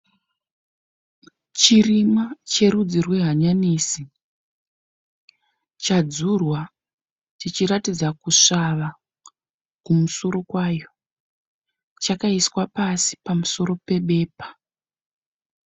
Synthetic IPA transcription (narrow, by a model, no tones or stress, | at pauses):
t͡ʃirimat͡ʃe̞ɾud͡zirweɦaɲaniːsi | t͡ʃad͡zurwa | t͡ʃit͡ʃiɾatid͡zakuʂaʋa | kumuso̞ɾo̞kwajo̞ | t͡ʃakaiswapasi̥pamuso̞ɾo̞pe̞ɓe̞ːpḁ